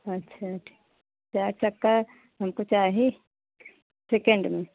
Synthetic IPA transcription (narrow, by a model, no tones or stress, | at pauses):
ɐtːʃʰaʈʰi̥ | t͡ʃaːɾt͡ʃɐkːa | ɦɐmkot͡ʃaːɦe | sekeɳɖmẽ